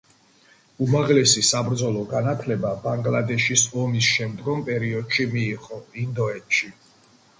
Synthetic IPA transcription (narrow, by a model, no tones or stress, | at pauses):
umaʁlɛsisabɾd̪zɔlˠɔɡanat̪ʰlɛbabaŋɡlad̪ɛʃisɔmisʃɛmd̪ɡɔmpʼɛɾiɔd̪ʃimiːχɔind̪ɔɛt̪ʃi